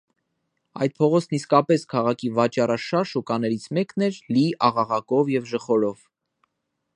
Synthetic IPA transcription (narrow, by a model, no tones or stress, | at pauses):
ɑ̰jd̪̚pʰɔʁɔt͡sʰniskɑpɛskʰɑʁɑkʰivɑt͡ʃɑrɑʃɑɾʃukɑnɛɾit͡sʰmɛknɛɾliʔɑʁɑʁɑkɔvjɛvʒəχɔɾɔv̥